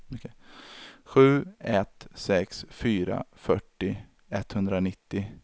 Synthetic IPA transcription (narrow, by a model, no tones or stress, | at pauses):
ɔkʰe | ɧʉ̟ːɛt̪sɛksfyːɾa̰fœʈːɪ | ɛt̪ːhɵnd̪ɾanɪt̪ːɪ